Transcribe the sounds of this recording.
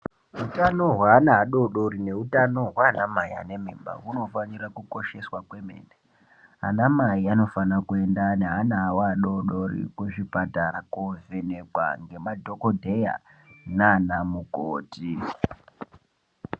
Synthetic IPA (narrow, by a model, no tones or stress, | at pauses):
utanoɦwaːnaːɗo̞ɗo̞ɾine̞utano̞ɦwaːnamaia̰ne̞mḭːmba̰uno̞faɲirakuko̞ʃe̞swakwe̞mḛːne | a̰namaiano̞fanakue̞ndaneɦanaːwaɗoɗorḭkuʐipataɾakovenekwa̰ŋɡe̞madʱo̞kodʱe̞ja̰nanamukoːti